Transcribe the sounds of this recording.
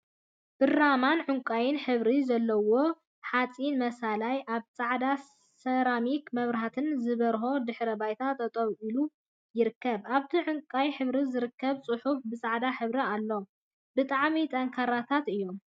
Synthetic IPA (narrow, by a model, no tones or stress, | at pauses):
b̥ɨramanʕʊŋkʼajɪnħɨβɾizɐlːɐwo | ħat͡sʼinmɐsalajʔaβt͡sʼaʕd̪a | sɐɾamikmɐβɾaɦat̪ʰɨnzɨβɐɾɦo̞d̪ɨħɾɐbajt̪ʰat̪ʰːɐt̪ʼɐwʔilu | jɪɾɨkːɐβaβt̪ʰiʕʊŋkʼajħɨβɾizɨɾɨkʰːɐβt͡sʼɨħufbɨsʼaʕd̪aħɨβɾialːo̞ | bɨt̪ʼaʕmit̪ʼɐŋkʰaɾat̪ʰat̪ɨjːo̞m